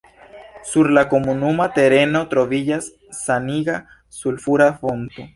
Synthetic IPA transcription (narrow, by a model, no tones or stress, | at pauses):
suɾlakomunumat̪eɾenot̪ɾoβiʎasː | aniɣa | sulfuɾafont̪o